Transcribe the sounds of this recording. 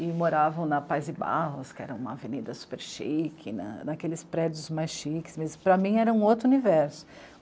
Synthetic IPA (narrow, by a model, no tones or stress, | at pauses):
ɪmoɾavɐ̃w̃nɐpajzɪba̰ɦʊskɪɛ̰ɾɐ̃ũmɐavenid̪ɐsu̥peɾʃikʰɪnɐ̰nɐkelɪspɾɛd͡ʒʊzmajsʃikɪ̥smezpɾɐmĩɛɾɐũot̪ɾunivɛɾsʊ̥